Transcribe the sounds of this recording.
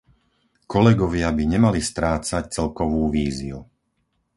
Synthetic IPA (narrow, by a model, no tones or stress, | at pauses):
kɔlɛɡɔʋɪabiɲɛmalist̪ɾaːt͡sac̚t͡sɛlkɔʋuːʋiːziu